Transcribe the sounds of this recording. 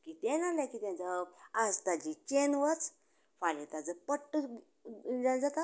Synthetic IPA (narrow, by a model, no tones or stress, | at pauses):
kit̪enalakit̪ãnt͡səad͡zt̪ad͡ʑit͡ɕenʋət͡s | falit̪ad͡zəpəʈː | d͡zãd͡zat̪a